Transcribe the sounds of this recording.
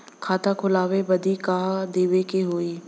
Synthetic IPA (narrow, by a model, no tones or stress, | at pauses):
kʰaːt̪akʰʊlaːwebɐd̪ʱikaːd̪eːʋekeɦoːiː